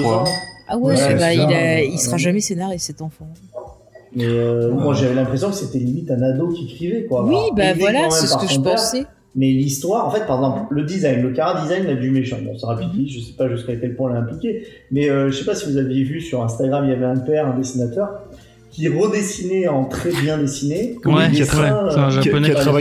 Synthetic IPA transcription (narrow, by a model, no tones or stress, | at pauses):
awɛabailaisəχaʒamɛsenaʁesɛt̪ɑ̃fɑ̃ | mɛøimwaʒavɛlɛ̃pχes̬jɔ̃kə̥set̪ɛlimit̪ɛ̃nad̪okʲekχivɛkwawibavwalaɑ̃smɛmɛpaʁəʒɔ̃t̪ɛ̃sɛ | mɛlist̪waʁɑ̃fɛt̪̚paʁɛɡzɑ̃plləd̪izajnləkaʁad̪izajnlad̪ymeʃɑ̃bɔ̰̃seʁapid̪iʒəsɛ̥paʒyskakʲɛlpwɛ̃laɛ̃plikʲe | mɛøʒəsepasivuzavjevysyʁɛ̃st̪aɡʁamiljavɛɛ̃pɛʁɛ̃d̪esinat̪œʁ | kʲʰiʁəd̪esineɑ̃t̪χɛbjɛ̃d̪esineud̪eɛ̃ʒaa